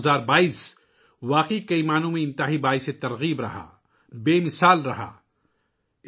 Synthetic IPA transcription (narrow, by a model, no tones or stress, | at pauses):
zaːɾbaːiːs | waːqikɐimaːnũmẽɪ̃nt̪aɦibaːɪset̪ɐɾɣiːbɾɐ̰ɦa̰ː | beːmɪsaːlɾɐɦa̰ː